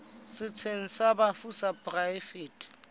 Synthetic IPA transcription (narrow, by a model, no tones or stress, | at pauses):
sɪt͡sʰen̩sabafusapʼrafeːtʰʼ